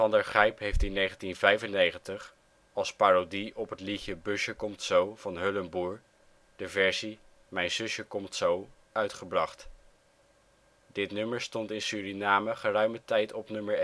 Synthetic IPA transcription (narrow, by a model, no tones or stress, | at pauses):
fɑndəɹχɛjpɦejftinejχəntinvɛjvənejχəntəχ | ɑlˠspaːrodiʔɔpətliçəbɵʃəkɔmtsowv̥ɑnɦɵləmbuːɹ | d̥əvɛɹzi | mɛjnz̥ɵʃəkɔmtsow | œɥtχəbrɑχt | dɪtnɵməɹstɔntɪnsyːrinaːməχərœɥmətɛjtɔpnɵməɹ